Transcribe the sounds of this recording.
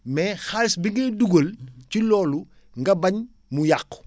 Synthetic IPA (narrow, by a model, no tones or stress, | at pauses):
mɛxalisbiŋɡeduɡolcilɔːlu | ŋɡɐbɐɲ | mujakː